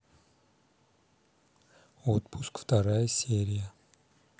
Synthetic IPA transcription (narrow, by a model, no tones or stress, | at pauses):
ot̪pʰuskft̪aɾajseɾija